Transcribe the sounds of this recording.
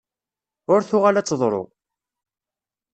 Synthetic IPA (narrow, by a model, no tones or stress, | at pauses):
ʊɾθʊʁalæt͡sːðˤɾˤo̰